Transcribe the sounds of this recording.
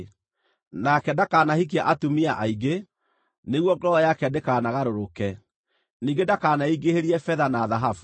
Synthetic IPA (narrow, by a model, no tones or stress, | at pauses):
nakɛdakaːnahik̬jaʔatumiaʔaiɡe | neɣwɔɡɔɔjakɛdekaːnaɣaɾoɾokɛ | niːŋɡedakaːnaiɡeheɾiɛfɛðanaːðaɦafu̥